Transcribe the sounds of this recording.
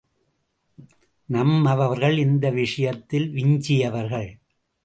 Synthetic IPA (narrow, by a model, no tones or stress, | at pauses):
nɐmɐʋɐʋɐɾɣɐɭɪnd̪ɐʋɪʂɐjɐt̪ːɪlʋɪɲd͡ʒɪjɐʋɐɾɣɐɭ